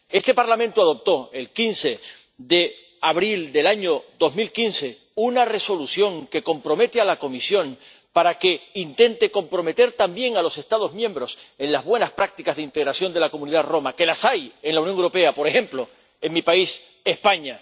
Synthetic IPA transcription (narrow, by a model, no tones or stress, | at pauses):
e̞st̪e̞paɾlamẽnt̪uaðo̞p̚t̪o̞e̞lkinse̞ | ðe̞ | aβɾild̪e̞laɲo̞ðo̞zmilkinse̞ | unare̞so̞lusjo̞ŋke̞ko̞mpɾo̞me̞t̪ealako̞misjõ̞ŋ | paɾake̞int̪e̞nt̪e̞ko̞mpɾo̞me̞t̪e̞ɾt̪ambje̞ŋalo̞se̞st̪aðo̞zmjẽ̞mbɾo̞se̞nlazβwe̞naspɾak̚t̪ikazðeint̪eɣɾasjo̞nd̪e̞lako̞muniðaðro̞make̞lasajeŋlaunjoŋewɾope̞apo̞ɾe̞xe̞mplo̞ | e̞ŋmipais | e̞spaɲa